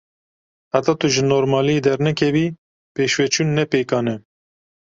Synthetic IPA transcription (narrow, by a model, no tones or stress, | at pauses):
hat̪ɑːt̪uʒɨnoːɾmɑːlijed̪ɛɾnɛkʰɛviː | peːʃwɛt͡ʃʰuːnːɛpeːkɑːnɛ